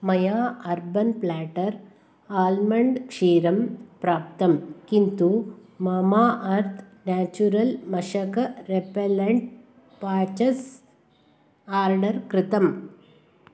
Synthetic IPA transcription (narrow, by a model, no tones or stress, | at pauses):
mɐjaːɐɾbɐnplaːʈɐɾ | aːlmɐɳɖkʂiːɾɐmpɾaːp̚t̪ɐmkint̪umɐmaːʔɐɾt̪ʰnaːt͡ʃuɾɐlmɐʂɐkɐɾepelɐɳʈ̚ | paːt͡ʃɐs | aːɾɖɐɾkɾɪt̪ɐm